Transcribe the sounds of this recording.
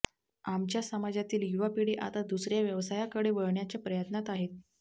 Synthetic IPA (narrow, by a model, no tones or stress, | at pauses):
amt͡ɕjasəmad͡ʑat̪iːljuʋapiɽiːʔa̰t̪ad̪usɾjaʋjəʋsajakəɽeʋəɭɳjat͡ɕapɾəjət̪nat̪aɦet̪̚